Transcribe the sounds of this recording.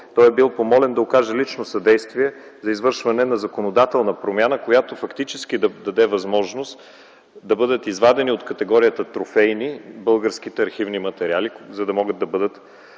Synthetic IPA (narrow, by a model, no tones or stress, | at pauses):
t̪ɔjɛbilˠpomɔlɛnd̪ɐokaʒɛlit͡ʃnosɐd̪ɛjst̪viɛzɐizvɤɾʃvɐnɛnɐzɐkonod̪at̪ɛlˠnɐpɾomʲjanəkojat̪ofɐkt̪it͡ʃɛsk̟id̪ɐd̪ɐd̪ɛvɐzmɔʒnost̪ | d̪ɐbɤd̪ət̪izvad̪ɛniot̪kɐt̪ɛɡɔɾiət̪ət̪ɾofɛjnibɤlˠɡəɾsk̟it̪ɛɐɾxivnimɐt̪ɛɾʲializɐd̪ɐmɔɡəd̪ːɐbɤd̪ət̪